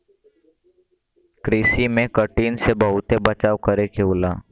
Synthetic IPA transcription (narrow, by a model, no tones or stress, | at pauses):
kɾiːsimẽkəʈiːnsebəɦʊt̪ebət͡ʃaːʋkəɾekeʊlaː